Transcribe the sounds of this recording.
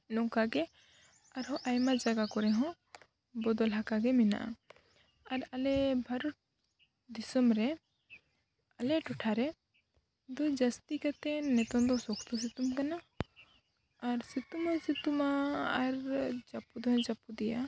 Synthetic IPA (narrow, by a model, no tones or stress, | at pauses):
nɔ̃kaɡɛ | aɾɦɔ̃ʔajmad͡ʒaɡakɔɾɛɦɔ̃ | bɔd̪ɔlɦakaɡɛmina̰ʔa̰ | aɾɐlɛbʱɐɾɔʈ̚ | d̪isɔmɾɛ | ɐlɛʈɔʈʰaɾɛ | d̪ɔd͡ʒɐst̪ikat̪ɛnɛt̪ɔnd̪ɔsɔkʰt̪ɔs̬it̪umkana | ɾsit̪umasit̪umaːɾd͡ʒapud̪ɛɦɔ̃d͡ʒapud̪ɛja